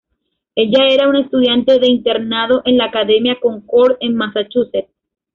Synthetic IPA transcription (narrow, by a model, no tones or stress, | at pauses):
e̞ʎae̞ɾaune̞st̪uðjant̪e̞ðe̞int̪e̞ɾnaðo̞ʔẽ̞nlaːkaðe̞mjakõ̞ŋkoɾe̞ŋmasat͡ʃuset̪̚